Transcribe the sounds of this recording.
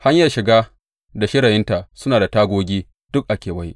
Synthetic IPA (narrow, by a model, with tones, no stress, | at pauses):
ha˦ɲjɐ˨rʃɪ˨ɡaː˦ | da˨ʃɪ˦ɽa˨jɪ˦nta˨ʔsʊ˦naː˨da˨taː˦ɡʷoː˦ɡʲiː˦ | d̥ʊ˦k̚ʔa˨kʲeː˨wa˦j